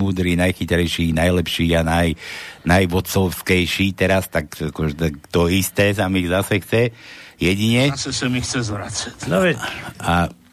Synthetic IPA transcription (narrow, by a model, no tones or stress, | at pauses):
uːd̪ɾiːnajxit̪ɾɛjʃiːnajlɛpʃiːanajnajʋɔt͡sɔʊskɛjʃiːt̪ɛɾast̪akakɔʒɛt̪t̪ɔist̪ɛːs̬amiɣzasɛxt͡sɛjɛɟiɲɛasɛsamixt͡sɛzʋɾat͡sḁcaɛa